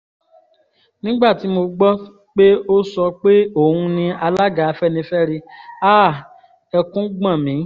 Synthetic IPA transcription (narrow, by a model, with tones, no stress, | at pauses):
nĩ˦ɡ͡ba˦˨ti˨˦mo˧ɡ͡bɔ˦ | k͡pe˦o˦sɔ˧k͡pe˦o˦˨hũ˧nĩ˧a˧la˦ɡa˨˧fɛ˦nĩ˧fɛ˦ɾe˧aː˦˨ | ɛ˧kũ˦ɡ͡bã˦˨mĩ˨˦